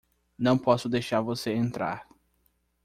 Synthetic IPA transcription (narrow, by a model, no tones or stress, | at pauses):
nɐ̃w̃pɔsʊd̪ejʃaɾvoseẽnt̪ɾa̰ɾ